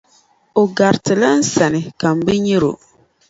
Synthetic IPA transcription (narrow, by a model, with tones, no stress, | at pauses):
o˨ɡa˨ɾtɨ˨la˦n̩˦sa˨nɪ˨ka˨m̩˨bɨ˦ɲi˦ɾo̰˨